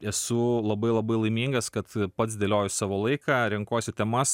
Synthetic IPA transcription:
ɛsʊlˠɐbɐɪlˠɐbɐɪlˠɐɪmʲiːŋɡɐskɐt̪pɐt̪sd̪ʲeːlʲoːjʊssɑːʋoːlˠɐɪkɑːɾʲɪŋkoːsʲɪt̪ʲɛmɐs

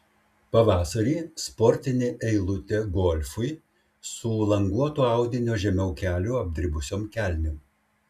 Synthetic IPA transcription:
pɐʋɑːsɐɾʲiːspɔɾʲt̪ʲɪnʲeːʔɛɪlˠʊt̪ʲeɡɔlʲfʊɪ | sʊlˠɐŋɡuɔt̪uːɑˑʊd̪ʲɪnʲoːʒʲɛmʲɛʊkʲæːlʲʊɐbʲd̪ʲɪɾʲɪbʊsʲoːmkʲæːlʲnʲom

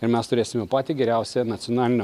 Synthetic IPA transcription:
ɪɾmʲɛst̪ʊɾʲeːsʲɪmʲɛpɑːt̪ʲiɡʲɛɾʲæˑʊsʲɛnɐt̪sʲɔnɑːlʲɪnʲɛ

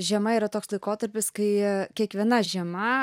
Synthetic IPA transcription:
ʒʲɛmɐiːɾɐt̪oːkslˠɐɪkoːt̪ɐɾʲpʲɪskɐɪkʲiɛkʋʲiɛnɐʒʲiɛmɐ

